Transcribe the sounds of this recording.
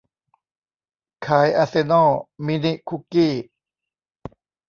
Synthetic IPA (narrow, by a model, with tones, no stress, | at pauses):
kʰaː˩˦jʔa˧se˧nɔː˥˩mi˧ni˦˥ʔkʰu˧˥kiː˥˩